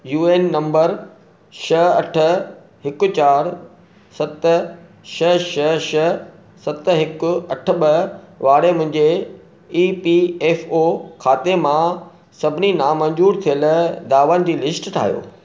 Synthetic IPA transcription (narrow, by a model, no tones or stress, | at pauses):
juːeːnːɐ̃mbəɾ | ʃɐɐʈʰə̆ | ɦɪkʊ̆t͡ɕaːɾ | sɐt̪̆ | ʃɐʃɐʃɐ | sɐt̪ɦɪkʊ̆ɐʈʰə̆ɓəʋaːɽemʊ̃ɦɪ̃ɲd͡ʑe | iːpieːfokʰaːt̪emã | sɐbʱɪninaːmɐ̃ɲd͡ʑuːɾt̪ʰijəld̪aːʋənɪ̆d͡ʑiːlɪsʈʈʰa̰ːɦjo̰ː